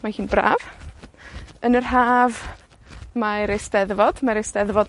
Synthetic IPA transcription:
mahiːnbra̰ːv | ənərɦaːv | maɾejsdɛðvɔd̥maɾesdɛðvɔd

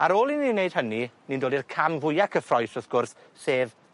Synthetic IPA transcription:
aɾoːlˠininːejd̥həninindoːlˠdirkʰamvʊjakʰəfrɔjsɔθɡ̥ʊrθ | seːð

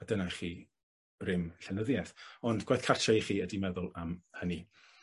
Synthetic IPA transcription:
adənaχi̥ː | rɪmɬɛnəðjɛθɔndɡwajθkʰartʰaχiːədimɛðʊlˠamhəni

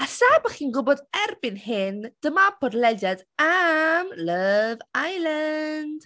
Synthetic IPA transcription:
asaːbaχiːnɡʊbɔdɛrbɪnhɪnd̥əmabʰɔdlɛdjadamləvajlˠand̥

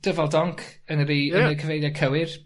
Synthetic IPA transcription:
d̥əvɛlˠdɔŋkʰənəriːənəkʰəvejðjakʰəwɪr

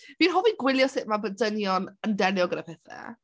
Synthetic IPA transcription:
viːnɦɔviɡwɪlˠjɔsɪʔmabədənjɔnəndɛnjɔɡənəpʰɛθɛ̰

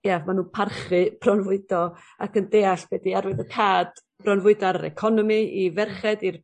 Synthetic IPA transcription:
jamanuːnpʰarχɨb̥ʰrɔnvʊɨdɔ | akəndeːaɬɡ̥ɛdiaɾwɨðəkʰaːd̥ | b̥rɔnvʊɨdɔaɾɾɛ̰kʰɔnɔmiivɛrχɛdir

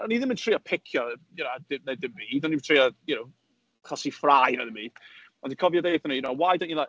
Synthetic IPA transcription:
ɔniðɪ̃mɪntʰr̥iapʰɪkʰjɔjɛnadɪnedɪmviːdɔnitʰr̥iajunow | χɔsifrajnaðɪmbiːd̥ | ɔndikʰɔvjɔdejθɔninowajdonila

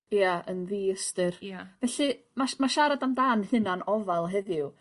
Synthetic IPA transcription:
jjaənðiːəstɨrvɛɬɨ | mamaʃaɾadamdaːnhɨnanɔvalˠɦɛðɪw

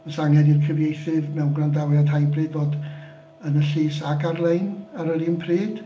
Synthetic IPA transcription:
əsaŋhɛdirkʰəvjejθɨvmɛwnɡrandawjad̥hajbrɨːdvoːd | ənəɬiːsaɡarlˠejnaɾəlimpʰriːd̥

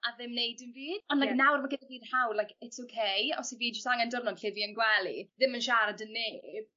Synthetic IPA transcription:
aðɪmnejdənviːd̥ɔndlajknawrmaɡɪdaviːdhawlajkɛtsowkʰejɔ̰siviːd͡ʒəstaŋandɔrnɔnɬɪviənɡwɛlˠḭðɪmənʃaɾadənːeːb

